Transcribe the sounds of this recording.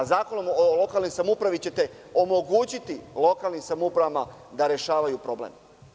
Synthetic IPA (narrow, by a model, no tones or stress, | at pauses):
zaːko̞no̞molo̞kalˠnojsamupɾaʋit͡ɕe̞t̪e̞ | o̞mo̞ɡuːt͡ɕit̪ilˠo̞kalˠnimsamupɾaʋamad̪aɾe̞ʃaːʋajupɾo̞blḛm